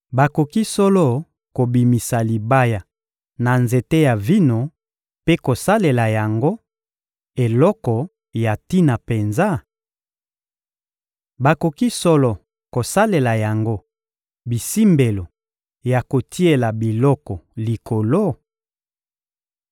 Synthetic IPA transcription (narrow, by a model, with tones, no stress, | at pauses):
ba˨ko˨ki˦sɔ˦lɔ˦ | ko˨bi˨mi˨sa˨li˨ba˦ja˨ | na˨nze˨te˦ja˨vi˦no˨ | pe˦ko˨sa˦le˨la˨ja˨ŋɡo˦ | e˨lɔ˦kɔ˨ | ja˨ti˦na˨pe˨nza˦ | ba˨ko˨ki˦sɔ˦lɔ˨ | ko˨sa˦le˨la˨ja˨ŋɡo˦ | bi˨si˦mbe˨lo˨ | ja˨ko˨tʰi˦e˨la˨bi˨lɔ˦kɔ˨li˨ko˨lo˦